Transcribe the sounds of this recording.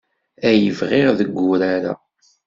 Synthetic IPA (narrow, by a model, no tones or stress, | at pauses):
æjəvʁeʁðəɡːʊɾaɾa̰